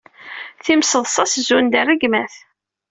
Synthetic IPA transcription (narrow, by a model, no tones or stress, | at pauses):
θimsəðˤsˤɑszund̪ərːəɡmæθ